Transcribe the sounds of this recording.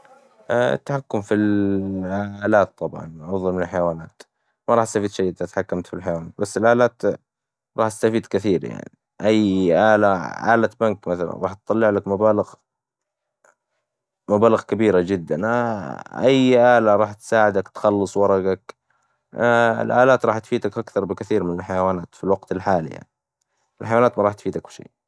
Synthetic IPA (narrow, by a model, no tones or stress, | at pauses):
a̰t̪ːaħakːʊmfil | aːlaːt̪ˤːɑbʕɑ̰nʕʊðˤɑlmɪnɪlħajawaːnaːt̪ | maɾˤɑːħɪst̪afiːd̪ʃajːʔɪd̪at̪ħakːamt̪filħajawaːnaːt̪̚basːɪlʔaːlaːt̪ | ɾˤɑːħɪst̪afiːd̪kɪθiːɾja̰ʕni | ʔajːʔaːlaʔa̰ːlabankmaθala̰nɾˤɑːħt̪t̪ˤɑlːɪʕlakmabaːlɪɣ | mabaːlɪɣkabiːɾad͡ʒɪd̪ːanaʔajʔaːlaɾˤɑːħt̪saːʕɪd̪akt̪xɑlːɨsˤwɑɾˤɑɡak | ɪ̰lʔa̰ːlaːt̪ɾˤɑːħt̪fiːt̪akʔakθɑɾˤbɪkaθiːɾmɪnɪlħajawaːnaːt̪filwaɡt̪ɪlħaːl̰ja̰ʕni | ɪlħajwaːnaːt̪maɑɾˤɑːħt̪fiːd̪akfʃḭː